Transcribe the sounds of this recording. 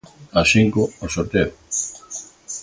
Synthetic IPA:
asiŋkoosoɾt̪eo

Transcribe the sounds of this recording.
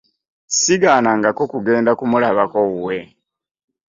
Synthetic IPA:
siɡaːnaŋɡako̞kuɡe̞ːndakumulaβakouwe

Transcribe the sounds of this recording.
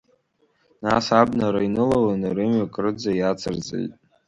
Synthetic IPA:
nasabnaɾainɨlawanɾɨmɥakʼrɨd͡zajat͡sʰɨrd͡zḛjtʼ

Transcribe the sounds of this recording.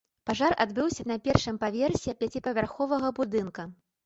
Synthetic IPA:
paʐara̰d̪bɨwsʲɐnɐpʲɛrʂɨmpavʲɛrsʲɛpʲat͡sʲipɐvʲarxɔvɐɣɐbud̪ɨnkɐ

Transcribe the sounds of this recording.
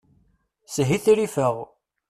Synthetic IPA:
sɦiθiɾifəʁ

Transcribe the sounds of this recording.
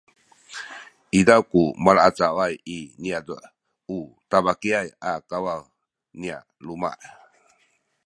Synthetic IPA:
ʔidawkumalaat͡sawajiniadə̰ | ut̪abakiajakawaw | nia̰ | luma̰ʔ

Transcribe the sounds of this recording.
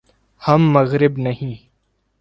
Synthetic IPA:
hɐmːɐɣɾɪbnɐɦĩː

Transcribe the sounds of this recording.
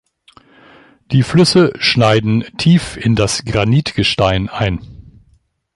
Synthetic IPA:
d̥iːflʏsəʃnaɪdn̩tʰiːfɪndasɡ̥ʁaniːtɡ̥əʃtaɪnʔaɪn

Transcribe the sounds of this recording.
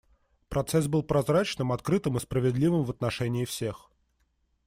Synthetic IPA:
pɾɐt̪sɛs̬bɨlˠpɾɐzɾat͡ɕnɨmɐt̪kɾɨt̪ɨmɨspɾəvʲɪd̪lʲivɨmvət̪nɐʂɛnʲɪːfsʲe̞x

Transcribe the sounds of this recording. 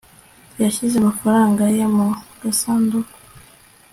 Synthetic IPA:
jaʃizemafaɾaːŋɡajemuɡ̥asaːndukḁ

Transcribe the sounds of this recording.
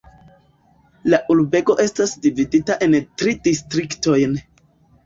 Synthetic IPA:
laʔulbe̞ko̞ʔe̞stasdividitaʔe̞ntɾidistɾikto̞jn

